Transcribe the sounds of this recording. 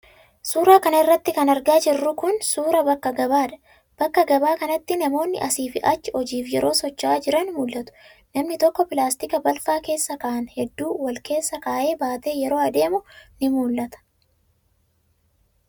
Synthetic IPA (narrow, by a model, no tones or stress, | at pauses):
suːɾaːkɐnɐɪrːɐt̪ːɪkɐnɐɾɡaːd͡ʒɪrːʊkʊnsuːɾɐbɐkːɐɡɐbaːᶑɐ̥ | b̥ɐkːɐɡɐbaːkɐnɐt̪ːɪnɐmo̞ːnːɪ̰ʔɐsiːfɪʔɐt͡ʃːɪɔd͡ʒiːfjɛɾo̞ːsɔt͡ʃːaːd͡ʒɪɾɐnmuːlːɐt̪ʊ̥ | nɐmnɪt̪ɔkːɔpɪlaːst̪ɪkɐbɐlfaːke̞ːsːɐkɐʔɐnhɛd̪ːuːwɐlke̞ːsːɐkaːʔe̞ːbaːt̪e̞ːjɛɾo̞ːɐd̪e̞ːmʊnɪmuːlːɐt̪ɐ̥